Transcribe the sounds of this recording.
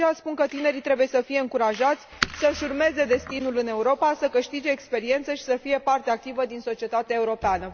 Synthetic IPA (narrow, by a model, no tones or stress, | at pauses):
easpunkət̪ine̞ɾit̪ɾe̞buje̞səfije̞ɨŋkuɾaʒat̪sʲsəʃurme̞ze̞d̪e̞st̪inulɨne̞uɾo̞pasəkɨʃt̪id͡ʒe̞ːkspe̞ɾie̞nt̪səʃi̥səfije̞part̪eak̚t̪ivəd̪inso̞t͡ʃie̞t̪at̪eaeuɾo̞peanə